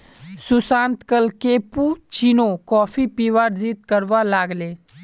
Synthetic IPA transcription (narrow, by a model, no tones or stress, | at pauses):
susãːnt̪kəlkeːpuːt͡ʃinokɔːfʰipiʋaːɾziːt̪kəɾʋalaːɡleː